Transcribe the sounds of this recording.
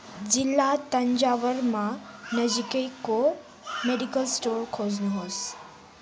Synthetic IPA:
d͡ʒɪlːat̪əɲd͡ʒaʋəɾmãnəd͡ʒikəjko | meɖikəlsʈoɾkʰoːd͡ʒnuɦoːs

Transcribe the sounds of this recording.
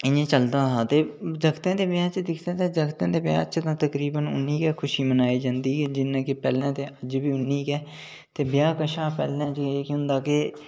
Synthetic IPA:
ɪnẽːt͡ʃəld̪aːɦaːt̪eːd͡ʒəɡt̪ãːd̪eːbjãːt͡ʃd̪ɪkʰt̪ẽːt̪eːd͡ʒəɡt̪ãːd̪eːbjã̰ːt͡ʃt̪ãːt̪əkɾiːbənʊ̰nːiːkɛːkʰʊʃiːmənaːiːd͡ʒãːnd̪iːd͡ʒɪnːãːkepɛːlãːt̪eːʔəd͡ʒbiːʊnːiːkɛː | t̪eːbɪjaːkəʃaːpɛ̰ːlãːt͡ʃeːkõːnd̪aːke

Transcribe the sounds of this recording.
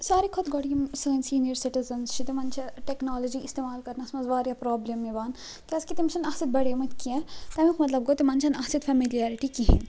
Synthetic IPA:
saːɾikʰɔt̪ɡoɽijimsɐːnsiːnijəɾsiʈizɐnst͡ʃʰit̪emɐnt͡ʃʰɐʈeknaːlɐd͡ʒiist̪eːmaːlkɐɾnɐsmɐzʋaːɾjapɾɔːblɐmːiʋaːn | kʲɐskit̪imt͡ʃʰɐnɐɦsit̪̚bɐɽemɐt̪kiɛt̪ɐmikʰmɐt̪lɐb̚ɡot̪imɐnt͡ʃʰɐnɐɦsit̪fʰɐmilijaɾiʈikiɦḭn

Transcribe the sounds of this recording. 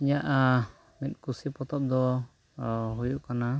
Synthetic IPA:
iɲaʔa | mit̪̚ˀkusipɔt̪ɔp̚d̪ɔ | ɦujuʔkana

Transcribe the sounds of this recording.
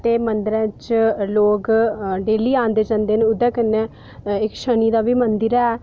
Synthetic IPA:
t̪eːmənd̪əɾɛ̃ːt͡ʃloːkɖeːliːãːnd̪eːd͡ʒãːnd̪eːneʊd̪ɛ̃ːkənːɛː | ɪkʃəniːd̪aːbiːmənd̪ɪɾɛː

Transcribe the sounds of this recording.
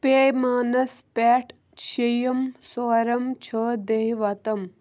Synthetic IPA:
pemaːnɐspɛːʈ | ʃejɐmsoːɾɐmt͡ʃʰɐːd̪eɦiʋɐt̪ɐm

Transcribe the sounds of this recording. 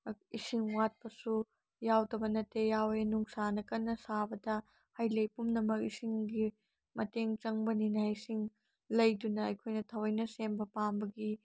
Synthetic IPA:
isiŋwat̚pɐsu | jawdɐbɐnɐtːejawenuŋsanɐkɐnːɐsabɐdɐ | hajlejpumnɐmɐk̚isiŋɡi | mɐteŋt͡ʃɐŋbɐninaisiŋ | lɐjdunɐːjkʰojnɐtʰɐwɐjnɐsembɐpambɐɡi

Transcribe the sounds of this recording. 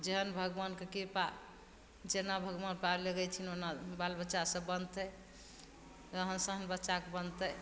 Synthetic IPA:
d͡ʒeɦənbʱəɡʋankekepa | d͡ʒenabʱəɡʋanpaleɡɛjt͡ʃʰinonabalbətːʃasə̃bənt̪ə | ɾəɦənsəɦənbətːʃakebənt̪ə

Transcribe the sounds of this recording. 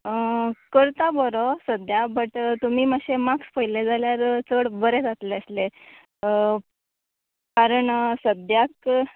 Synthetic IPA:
kəɾt̪abɔɾɔsəd̪jabəʈt̪umiːmaɕemakspəjled͡zaljaɾt͡səɽbəɾed͡zat̪leəsle | kaɾəɳsəd̪jak

